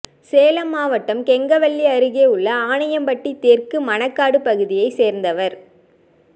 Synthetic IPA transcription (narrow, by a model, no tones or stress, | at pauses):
seːlɐmːaːʋɐʈːɐmkɛŋɡɐʋɐɭːiɐɾɯɣeːɯɭːɐaːɳɐjɐmbɐʈːit̪eːɾkɯmɐnɐkːaːɽɯpɐɣɯðɪjɐɪseːɾnd̪ɐʋɐɾ